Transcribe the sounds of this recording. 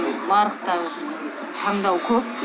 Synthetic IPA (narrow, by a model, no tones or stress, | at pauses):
lˠɑɾəqt̪ɑw | t̪ʰɑɴd̪ɑwkʲʰɵp̚